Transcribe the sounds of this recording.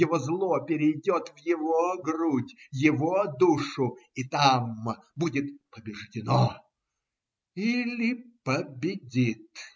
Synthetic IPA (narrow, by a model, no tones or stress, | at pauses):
jɪvozlˠopʲɪɾʲɪjdʲot̪vjɪvoɡrudʲjɪvod̪uʂʊit̪am | budʲɪt̪pəbʲɪʐdʲɪno | ilʲɪpəbʲɪdʲit̪